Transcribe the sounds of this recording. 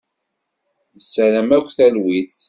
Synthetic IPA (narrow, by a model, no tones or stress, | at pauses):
əsːæɾæmækʷθælwiθ